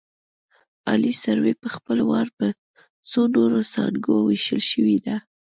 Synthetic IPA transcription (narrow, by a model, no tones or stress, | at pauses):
ɑlisaɾwepəxpəlwɑɾpə | t͡sonoɾosɑ̰ɽɡowiʃəlʃəwid̪a